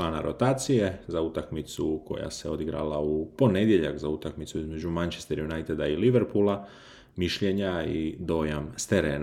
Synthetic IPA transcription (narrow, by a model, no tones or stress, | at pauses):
aːna̰ɾot̪aːt̪sije̞zaut̪akmit̪suko̞̰ja̰seo̞d̪iɡɾa̰laupo̞ne̞d̪je̞ʎa̰kzaut̪akmit̪suizme̞d͡ʒumant͡ʃest̪eɾjunajt̪ed̪ailiʋeɾpulˠa | miʃʎeɲaid̪o̞ːjamst̪eɾḛːn